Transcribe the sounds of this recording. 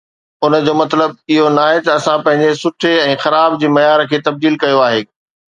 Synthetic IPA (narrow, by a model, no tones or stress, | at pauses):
ʊnə̆d͡ʑoːmɐt̪ləb̚ɪɦonaːɦet̪ɐɐsãpɐ̃ɦɪ̃ɲd͡ʑesʊʈʰeɛ̃ːxɐɾaːbd͡ʑeːmɐjaːɾkʰeːt̪ɐb̚d̪iːlkɐjoaːɦeː